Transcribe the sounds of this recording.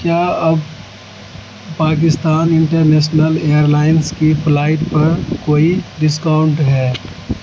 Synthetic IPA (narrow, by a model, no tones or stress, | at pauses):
kjaːɐb | paːk̬ɪst̪aːnɪ̃ɳʈəɾneːʃnəleːjəɾlaːɪnskipʰlaːɪʈpɐɾkoːiɖɪskaːʊ̃ɳʈɦɛː